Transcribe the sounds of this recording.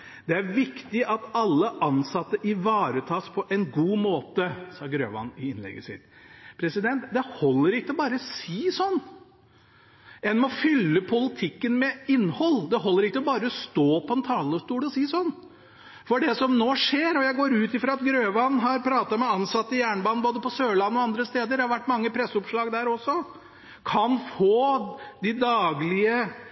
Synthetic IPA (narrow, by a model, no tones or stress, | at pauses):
d̪̥ɛæɾʋɪkt̪ɪʔɑt̪ɑlːəʔɑnsɑt̪ːəʔɪʋɑːɾət̪ʰɑːspʰɔʔɛnɡuːmoːt̪əsɑːɡɾø̰ːʋɑ̰nːɪɪnlɛ̰ɡəsɪ̰t̪pʰɾɛsɪd̪ɛnt̪d̪ɛhɔlːəɾɪkːəɔbɑːɾəsiːsɔnː | ɛnmɔfʏlːəpʰʊlɪt̪ʰɪkːənmɛɪnːhɔlːd̪ɛɦɔlːəɾɪkːəɔbɑːɾəɔst̪oːpʰɔɛnt̪ʰɑːləʂt̪uːlɔsiːsɔnː | fɔɖɛsɔmnoːʂeːɾɔjæɪɡoːɾʉːt̪ɪfɾɑɑt̪ɡɾøːʋɑnːɦɑɾpʰɾɑːt̪ɑmɛɑnsɑt̪ːəjæːɳəbɑːnboːd̪əpɔsøːɭɑnːəɔɑnd̪ɾəst̪eːd̪əɾɖ̪ɛhɑɾʋæʈːmɑŋːəpʰɾɛsʊpʂɭɑːɡd̪æːɾɔsɔ | kʰɑnfoːd̪ɪd̪ɑːɡlɪə